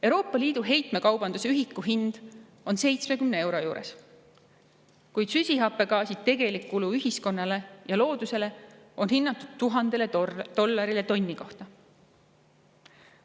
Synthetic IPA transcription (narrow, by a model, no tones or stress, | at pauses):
ewɾo̞ːpːˑɑliːd̪̥uɦe̞jt̪ˑme̞kɑwb̥ɑnd̪̥useyɦikːˑuɦind̪̥ | o̞nse̞jt̪sme̞kymnee̞wɾo̞juːɾe̞̰s | kujd̪̥sysʲiɦɑpːˑe̞ɡɑːsit̪e̞ɡ̥e̞likːuluyɦisko̞nːɑle̞jɑlo̞ːd̪̥use̞le̞o̞nɦinːɑt̪ːˑud̪̥̚t̪ːuɦɑnd̪̥e̞led̪̥o̞lːɑɾile̞t̪o̞nʲːiko̞ht̪ɑ